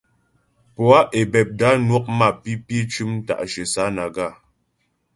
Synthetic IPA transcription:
pɔ˨a˦ʔe˨bɛ˨p̚da˨˦nwɔ˦k̚ma˦˨pi˦pje˦t͡ʃʉ˦m̩˦ta̰˨ʔʃə˨sa˨˦na˨ɡa˦˨

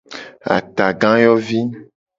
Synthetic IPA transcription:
a̰˨t̪a˨ɡã˦jɔ˦vi˦

